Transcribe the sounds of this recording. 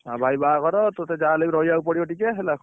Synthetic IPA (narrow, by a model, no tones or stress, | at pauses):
abʱajbakɔɾɔt̪ɔt̪ed͡ʒalebiɾɔjaupɔɽiɔʈikɛɦela